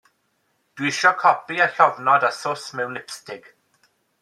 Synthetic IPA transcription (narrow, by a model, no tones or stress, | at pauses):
d̥wɪʃɔkʰɔpiaɬɔvnɔdasʊsmɛwnɪpstɪɡ̥